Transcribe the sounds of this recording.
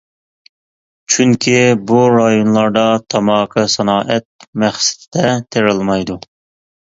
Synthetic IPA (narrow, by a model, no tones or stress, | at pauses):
t͡ʃʰyŋkʲʰibuɾɑjonlˠɑɾd̪ɑt̪ʰɑmɑːqʰɨsɑnɑːʔɛt̪̚mɛχsɪ̥t̪ʰɪd̪ɛt̪ʰeɾɨlˠmɑjd̪u